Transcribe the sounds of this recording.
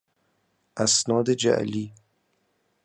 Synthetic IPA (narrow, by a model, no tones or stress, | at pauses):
asnɑːd̪ed͡ʒa̰ʔliː